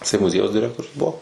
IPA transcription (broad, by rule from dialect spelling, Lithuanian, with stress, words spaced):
jɪˈsɐɪ mʊˈzʲiɛjɛʊs dʲɪˈrʲæːktoːrʲʊs ˈbuɔ